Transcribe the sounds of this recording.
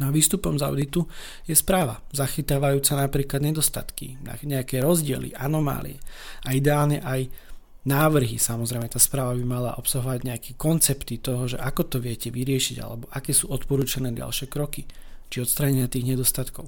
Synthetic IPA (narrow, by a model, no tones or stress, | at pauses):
nɔaʋiːst̪upɔmza̰ʊd̪it̪u | jɛspɾaːʋazaxit̪aːʋajuːt͡sanapɾiːklad̪ɲɛd̪ɔst̪a̰t̪kḭa̰ɲɛakɛɾɔzɟɪɛ̰lḭʔanɔma̰ːlḭɛaid̪ɛaːlɲɛ̰ʔaj | naːʋr̩ɦḭsamɔzɾɛjmɛt̪aːspɾaːʋabimala̰ʔɔpsaɦɔʋaɟɲɛakʰɛkɔnt͡sɛpt̪it̪ɔɦɔʒɛ̰ʔakɔt̪ɔʋɪɛcɛʋiɾɪɛʃiɟa̰lɛ̰bɔʔakɛːsuːɔt̪pɔɾuːt͡ʃanɛːda̰lʃɛkɾɔkit͡ʃiɔt̪st̪ɾaːɲɛɲɪat̪iːɣɲɛd̪ɔst̪at̪kɔʊ